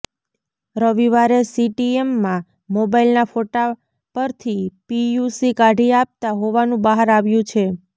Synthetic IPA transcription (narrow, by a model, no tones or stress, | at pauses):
ɾəʋiʋaɾesiʈiemːã | mobailnafoʈa | pəɾt̪ʰipijusikaɖʱiap̚t̪aɦoʋanũbaɦaɾaʋjũt͡ʃʰe